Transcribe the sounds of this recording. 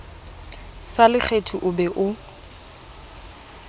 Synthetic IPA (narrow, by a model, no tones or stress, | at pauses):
salɪk͡xʰetʰuʔʊbɛʔʊ